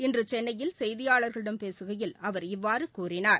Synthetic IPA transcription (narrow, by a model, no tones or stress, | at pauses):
ɪndrɯt͡ʃɛnːɐjɪlsɛjðɪjaːɭɐɾɣɐɭɪɽɐmpeːsɯɣɐjɪlɐʋɐɾɪʋːaːɾɯkuːrɪnaːɾ